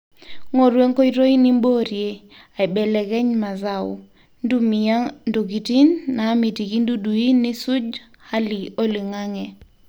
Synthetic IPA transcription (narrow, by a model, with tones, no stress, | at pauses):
ŋo˨ɾwe˦ŋko˦i˦ɾo˦i˦ni˦mbo˦ɾje˦ | a˨i˨bɛ˨lɛ˨kɛ˦ɲma˨za˦˨ʊ̰˨ | ndu˦mi˨a˦ndo˨ɡi˨ti˦nːaː˨˦mi˨ti˨ki˦ndu˦du˨i˦nɪ˦sʊ˦d͡ʒ | ha˦li˨o˦li˨ŋa˦ŋɛ˨